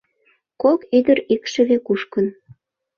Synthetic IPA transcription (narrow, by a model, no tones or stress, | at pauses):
kokyd̪əɾikʃə̆βekuʃkən